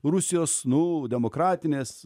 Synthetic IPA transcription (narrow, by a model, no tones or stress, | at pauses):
rʊsʲɪjoːsnʊd̪ʲɛmoːkɾɑːt̪ʲɪnʲeːs